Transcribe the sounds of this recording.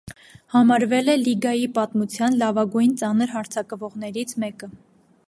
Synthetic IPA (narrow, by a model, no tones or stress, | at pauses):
hɑmɑɾvɛlɛliɡɑjipɑt̪mut͡sʰjɑnlɑvɑɡujnt͡sɑnəɾɦɑɾt͡sʰɑkvɔʁn̪ɛɾit͡sʰmɛkə